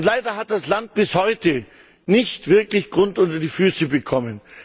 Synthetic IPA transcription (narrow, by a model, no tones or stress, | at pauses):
ʊntlaɪdɐɦat̚d̥aslant̚b̥ɪshɔʏtə | nɪçtv̥ɪɐklɪçɡ̥ʁʊntʔʊntɐdiːfyːsəbəkʰɔmən